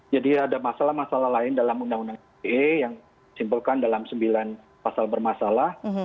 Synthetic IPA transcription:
d͡ʒadiadamasalahmasalahlaɪndalamundaŋundaŋ | ejaŋ | isimbulkandalamsəmbilan | pasalbərmasalah

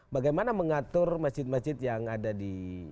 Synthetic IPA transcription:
baɡajmanaməŋat̪ʊrmat͡ʃɪt̪̚mat͡ʃɪt̪̚jaŋadadi

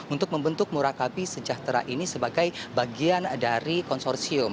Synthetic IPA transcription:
unt̪ʊk̚məmbənt̪ʊk̚muɾakabisəd͡ʒaht̪ɾa̰ʔinisəbaɡajbaɡiandaɾikɔnsɔrsiʊm

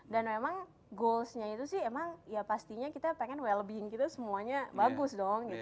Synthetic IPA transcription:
danmemaŋ | ɡolsɲait̪usɪhemaŋjapast̪iɲakit̪apeŋɛnwɛlbiɪŋkit̪asəmuaɲabaɡʊsdɔŋɡit̪

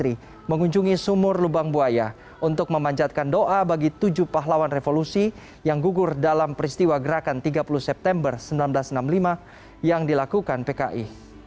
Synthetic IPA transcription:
ɾi | məŋuɲd͡ʒuŋisumʊrlubaŋbuaja | ʔunt̪ʊk̚məmaɲd͡ʒat̪̚kandoʔabaɡit̪ud͡ʒupaɦlawanrefolusi | jaŋɡuɡʊrdalampəɾist̪iwaɡəɾakant̪iɡapulusɛp̚t̪ɛmbərsəmbilanblasnamlima | jaŋdilakukanpeka̰ʔi

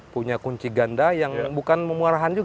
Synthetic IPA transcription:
puɲakuɲt͡ʃiɡandajaŋbukanməmuaɾaɦand͡ʒuɡ

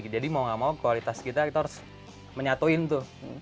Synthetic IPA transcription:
d͡ʒadimauŋamaukualit̪askit̪akit̪aɦaɾʊs | məɲat̪oɪnt̪ʊ

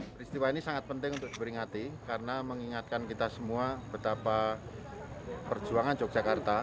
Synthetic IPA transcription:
pɾist̪iwainisaŋat̪̚pənt̪ɪŋunt̪ʊk̚d̥ipəɾiŋat̪ikaɾənaməŋiŋat̪̚kankit̪asəmuab̥ət̪apa | pər̥d͡ʒuaŋand͡ʒɔk̚d͡ʒ̥akart̪a

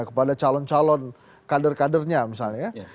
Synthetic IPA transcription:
kəpadat͡ʃalɔnt͡ʃalɔn | kadərkadərɲamisalɲa

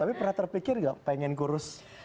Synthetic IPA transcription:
t̪apipərnat̪ərpikɪrɡapɛŋɛnɡuɾʊs

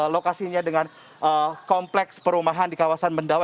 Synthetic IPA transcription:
lokasiɲadəŋan | əkɔmplɛkspəɾumaɦandikawasanməndawa

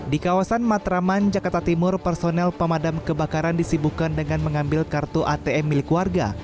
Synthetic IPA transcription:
dikawasanmat̪ɾamand͡ʒakart̪at̪imʊrpərsonɛlpəmadamkəbakaɾandisibukandəŋanməŋambɪlkart̪uʔat̪eɛmːilɪkwarɡa̰

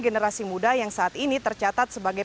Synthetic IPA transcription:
ɡenəɾasimudahjaŋsaːt̪init̪ərt͡ʃat̪at̪̚səbaɡaj

